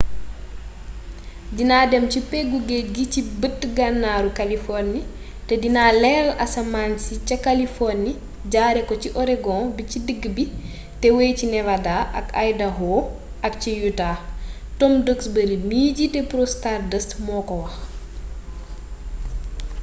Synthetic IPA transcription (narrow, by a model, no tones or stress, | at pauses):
dinaːdɛmcipɛɡuɡɛɡicibətːɡanːaːɾukɐlifɔrni | tɛdinaːlɛːlɐ̰sɐmansicɐkalifɔrni | ɟaːɾɛkɔt͡ʃiʔɔɾɛɡɔ̃bicidəɡːbi | tɛwejcinɛvadaʔɐkajdɐɦɔː | ɐk̚cijutaː | tɔmdəksbəɾimiːɟitɛpɾostardəstmɔːkɔwɐx